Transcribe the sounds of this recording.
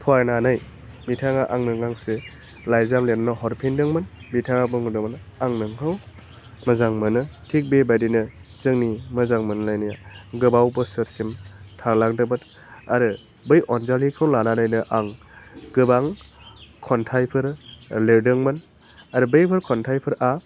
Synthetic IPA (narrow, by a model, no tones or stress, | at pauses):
pʰɔajnanaj | mitʰaŋaʔaŋnɯŋaŋse | lajzamleɾnɯɦɔɾpʰindɯŋmɯnmitʰaŋabɯŋudɯmanaŋnɯŋkʰaw | mɐzaŋmɯnɯtʰik̚bebadinɯzɯŋnimɐzaŋmɯnlajnijaɡɯbawbɯsɯɾsimtʰalakdɯbɯt | aɾɯ | bɯjʔɔnzalikʰɔwlananajnɯʔaŋ | ɡɯbaŋ | kʰɔntʰajpʰɯɾleɾdɯŋmɯn | aɾɯbɯjpʰɯɾkʰɔntʰajpʰɯɾʔa